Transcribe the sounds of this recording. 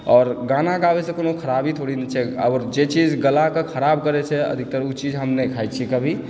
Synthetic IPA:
ɔːɾɡãnaɡawesẽkonokʰəɾabʱit̪ʰoɽinet͡ʃʰɛəɾd͡ʒet͡ʃid͡ʒɡəlakekʰəɾab̚kəɾɛt͡ʃʰɛə̰d̪ʱik̚t̪əɾut͡ʃid͡ʒɦəmnɛkʰajt͡ʃʰikəbʱi

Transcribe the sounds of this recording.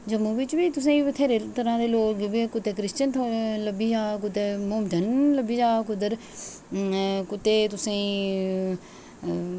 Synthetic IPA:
d͡ʒəmuːʋɪt͡ʃʋiːt̪ʊs̬ẽːiʋət̪ʰeːɾeːt̪əɾãːd̪eːloːkekʊt̪ːeːkɾɪst͡ʃənt̪ʰoːləbiːd͡ʒaːk̬ʊt̪emomd͡ʒənləbiːd͡ʒaːkʊd̪əɾ | kʊt̪ːeːt̪ʊsẽ

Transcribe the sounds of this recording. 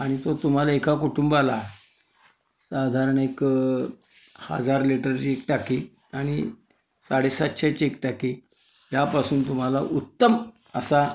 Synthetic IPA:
aɽ̃it̪ot̪um̤alaekakuʈumbala | sad̪ʱaɾəɳek | ha̰d͡zaɾliʈəɾt͡ɕiek̚ʈaki | aɽ̃i | saɽesat̪ːɕat͡ɕiek̚ʈaki | jjapasuːnt̪um̤alaʔut̪ːəm | əsa

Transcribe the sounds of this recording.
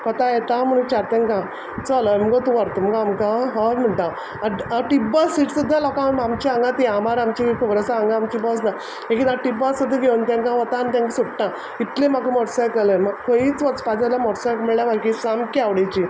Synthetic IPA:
kɔt̪ajɛt̪am̤əñũt͡ɕaɾt̪ẽŋkã | t͡saləmɡɔt̪uʋaɾt̪umkaːmkãɦəlm̤əɳʈ̪ã | aaʈibasːiʈsud̪ʱːalɔkãamt͡ɕiaŋɡãt̪iamaɾamt͡ɕikʰəʋəɾəsaaŋɡãːmt͡ɕibɔsna | ẽkit̪ãʈibassud̪ʱːaɡeunt̪ãŋkãʋɔt̪anit̪ãŋksuʈʈã | it̪lẽm̤akəmɔʈsajkəlemaɡkʰõjiːt͡sʋɔt͡spad͡zalamɔʈsakmiɭlaʋaɾkisamkiaʋɽit͡ɕi

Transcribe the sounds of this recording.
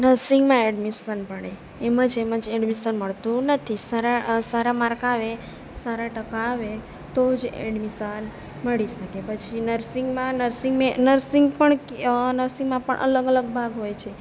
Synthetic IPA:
nəɾsiŋɡmãɛɖmisənpəɽe | eməd͡ʒeməd͡ʒɛɖmisənməɭt̪ũnət̪ʰisaɾasaɾamaɾkaʋe | saɾaʈəkaʋe | t̪od͡ʒɛ̰ɖmisən | məɭiʃəkepət͡ʃʰinəɾsiŋɡmãnəɾsiŋɡmẽnəɾsiŋɡpəɳnəɾsiŋɡmãpə̰ɳʔə̰ləɡələɡ̚bʱaɡɦojt͡ʃʰe

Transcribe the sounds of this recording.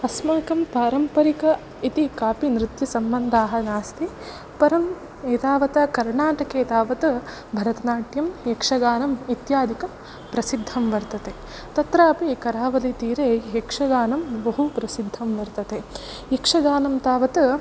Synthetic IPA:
ɐsmaːkɐmpaːɾɐmpɐɾikɐ | it̪ikaːpinɾɪt̪jɐsɐmbɐnd̪ʱaːɦɐnaːst̪ʰi | pɐɾɐm | eːt̪aːʋɐt̪ɐkɐɾɳaːʈɐkeːt̪aːʋɐt̪ɐ | bʱɐɾɐt̪ɐnaːʈjɐmjekʂɐɡaːnɐmit̪jaːd̪ʱikɐ | pɾɐsid̪ʱːɐmʋɐɾt̪ɐt̪e | t̪ɐt̪ɾaːpikɐɾaːʋɐlit̪iːɾeːjekʂɐɡaːnɐmbɐɦupɾɐsid̪ʱːɐmʋɐɾt̪ɐt̪e | jekʂɐɡaːnɐmt̪aːʋɐt̪ɐ

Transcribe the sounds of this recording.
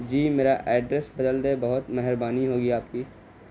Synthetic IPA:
d͡ʒiːmeːɾaʔɛːɖɾəsbɐd̪əld̪ebɐɦʊt̪mɛɦɾbaːniɦoːɡiaːpkiː

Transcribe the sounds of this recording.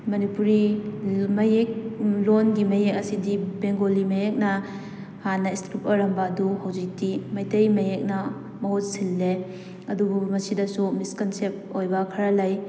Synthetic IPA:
mɐnipuɾi | mɐjek̚lonɡimɐjek̚ɐsidibeŋɡolimɐjek̚nɐ | hanɐistɾupɐɾɐmbɐːduhawd͡ʒik̚timajtejmɐjek̚nɐ | mɐɦot̚silːe | ɐdubumɐsidɐsumiskɐnsep̚ojbɐkʰɐɾɐlaj

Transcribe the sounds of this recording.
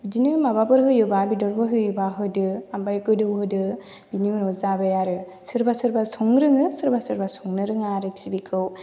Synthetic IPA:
ɯdinɯmababɯɾɦɯjɯbabidɔɾbɯɦɯjɯbaɦɯdɯambajkɯdɯwhɯdɯ | biniɯnɔzabajaɾɯ | sɯɾbasɯɾbasɔŋɾɯŋɯsɯɾbasɯɾbasɔŋnɯɾɯŋaɾɯk̚sibikʰɯw

